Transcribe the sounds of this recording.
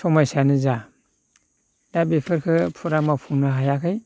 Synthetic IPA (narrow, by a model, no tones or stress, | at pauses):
sɔmajsanɯza | dabepʰɯɾkʰɯpʰuɾamapʰuŋnɯɦajakʰɯj